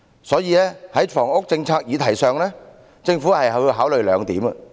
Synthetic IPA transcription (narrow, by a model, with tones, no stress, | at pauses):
sɔː˨˥jiː˧lɛː˥hɐ˨˥jfɔː˨˩ŋʊ˥k̚t͡sɪ˧ŋt͡sʰaː˧k̚jiː˨˧t̪ʰɐ˨˩jsœː˨ŋlɛː˥ | t͡sɪ˧ŋfuː˨˥hɐ˨jhɐ˨˧wji˧wɦaː˨˥wlɵ˨ɥlœː˨˧ŋt̪iː˨˥mɐ˧˨